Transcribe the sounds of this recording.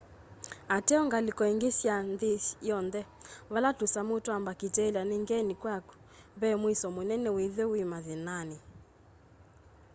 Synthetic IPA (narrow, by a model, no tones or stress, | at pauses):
atɛɔŋɡalikɔiŋɡesjandejɔndɛβalatusamutwambakitɛlianiŋɡɛnikwaku̥βɛmwisɔmonɛnɛwiðɛwimaðinani